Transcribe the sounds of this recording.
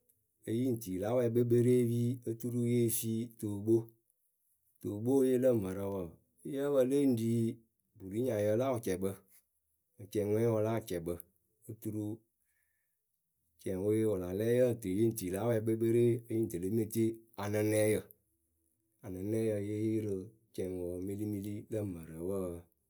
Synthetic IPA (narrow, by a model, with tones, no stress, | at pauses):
e˧ji˦n̩˨ti˨la˨˦wɛ˧˨˦bə˦be˦ɾeː˦wiː˦ə˦tu˦ɾu˦je˦˨˦fi˦to˨bo˦ | to˨bo˦je˦lə˦˨mə˨ɾə˨˧wə˨ | i˦jə˦bə˧le˦n̩˦diː˦ | bu˨li˨˦ɲã˨jə˧˦la˦u˨t͡ʃɛ˨bə˧ | ŋ̩˨t͡ʃɛ˨ŋʷɛ̃˦wɔ˧la˦˨t͡ʃɛ˨bə˧ | ə˧tu˧ɾu˧ | t͡ʃɛ˨wo˧˦je˧wɔ˨la˨lɛː˦jə˦˨tɨ˨je˦n̩˨ti˨la˦wɛ˧˦ɓə˧˦be˦ɾe˦ə˦ji˦n˨də˨lə˦m˦e˦˧˦te˦a˨nɨ˧nɛ˦jə˨ | a˨nə˨nɛ˦jə˧je˦ji˦ɾə˧ | t͡ʃɛ˨ŋ˨wɔ˨˦mi˧li˦mi˧li˦lə˦˨mə˨ɾə˨˦wə˦˨